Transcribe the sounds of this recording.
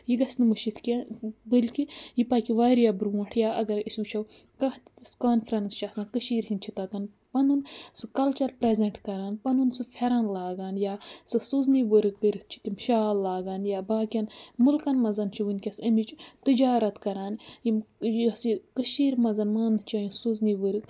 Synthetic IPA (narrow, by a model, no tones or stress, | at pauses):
jiɡɐsnɨmɨʃit̪ʰkɐbɨlʲkijipakiʋaːɾijabɾuːʈʰjaːɐɡɐɾisʲuːt͡ʃʰɐw | kɐht̪iskaːnfɾɐnst͡ʃʰɐsɐkɨʃiːɾhint͡ʃʰit̪ɐt̪ɐn | pɐnunsɨkɐlt͡ʃɐɾpɾezeɳʈkɐɾaːnpɐnunsɨfʰʲeɾɐnlaːɡaːnjasɨsuzniʋəɾɨkkəɾit̪̚ʰt͡ʃʰi̥t̪imʃaːlːaːɡaːnjaːbaːkʲijɐnmulkɐnmɐzɐnt͡ʃʰiʋɨnʲkʲɐsɐmit͡ʃt̪ɨd͡ʒaːɾɐt̪kɐɾaːnjimsikɨʃiːɾmɐzɐnmɐnd̪t͡ʃajũsuzniʋəɾɨk